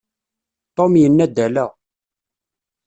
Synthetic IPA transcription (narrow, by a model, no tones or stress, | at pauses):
t̪ˤːomjənːæd̪ælæ